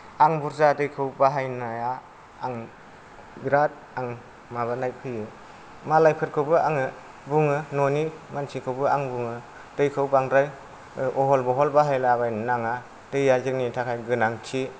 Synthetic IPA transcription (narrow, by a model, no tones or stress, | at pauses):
aŋbuɾzadɯjkʰɯwbaɦajnajaː | ŋ | biɾat̚ | aŋ | maβanajpʰɯjɯ | malajpʰɯɾ̚kʰɯwbɯaŋɯ | buŋɯnonimansʰikʰɯwbɯaŋbuŋɯ | dɯjkʰɯwbaŋdɾaj | ɔɦɔlbɯɦɔlbaɦajlabajnnaŋa | dɯjazɯknitʰakʰajɡɯnaŋkʰi